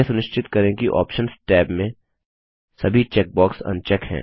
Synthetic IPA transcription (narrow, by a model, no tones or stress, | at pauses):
esʊnɪʃt͡ʃʰɪt̪kɐɾẽkiʔɔ̰ːpʃənsʈɛːbmẽ | sɐbʱit͡ʃɛːk̚bɔːksɐ̰̃nt͡ʃɛkɦɛ̰̃ː